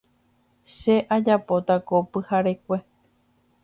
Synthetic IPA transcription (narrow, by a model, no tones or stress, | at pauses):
ʃeʔad͡ʒapo̞t̪akopɨhaɾek̚ʷe̞